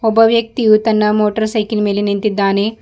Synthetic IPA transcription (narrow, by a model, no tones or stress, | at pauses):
ɔbɐʋjɐk̚t̪ijut̪ɐnːɐmoːʈɐɾsɐjkilmeːlɐnint̪id̪ːaːneː